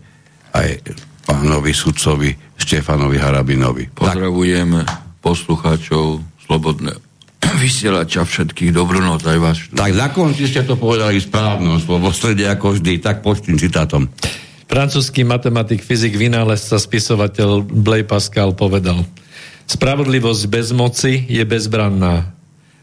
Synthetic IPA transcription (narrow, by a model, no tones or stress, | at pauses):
a̰jpaːnɔʋisut̪t͡sɔʋiʃcɛfanɔʋiɦaɾabinɔ̰ʋḭpɔad̪ɾaʋujɛmpɔsluxaːt͡ʃɔʊslɔbɔd̪nɛ̰ | ʋisɪɛlat͡ʃafʃɛt̪kiːɣd̪ɔbɾunɔt͡sajʋaːʃt̪aɡnakɔnt͡siscɛt̪ɔpɔʋɛd̪alispɾaːʋnɔmsɔʋɔst̪ɾɛɟɛakɔʒd̪iːt̪ak̚pɔt͡ʃt̪iːmt͡sit̪aːt̪ɔm | fɾant͡suːskiːmat̪ɛmat̪ikfiziɡʋinaːlɛst͡saspisɔʋacɛʎblɛjpaskalpɔʋɛd̪alspɾaʋɔd̪liʋɔzɟbɛzmɔt͡sijɛbɛzbɾanːaː